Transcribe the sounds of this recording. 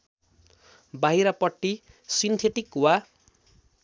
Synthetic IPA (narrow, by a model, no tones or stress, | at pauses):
baɦiɾapʌʈːi | sint̪ʰeʈikwa